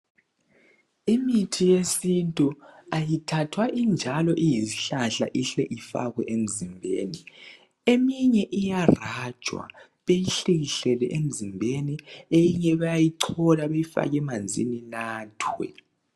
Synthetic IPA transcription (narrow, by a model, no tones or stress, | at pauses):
imitʰijesintʼuajitʰatʰwaʔind͡ʒʱalɔʔijisiɬaɬa̰ʔiɬɛʔifa̰ɣwɛʔem̩zimbʱḛːni | emiɲɛʔijarḁt͡ʃʼwa̰ | βejiɬiɣiɬɛlɛ̰ʔem̩zimbʱeniejiɲɛβajajiǀʰɔlaβejifa̰ɣɛmand͡zʱḭninaːtʰwɛ̰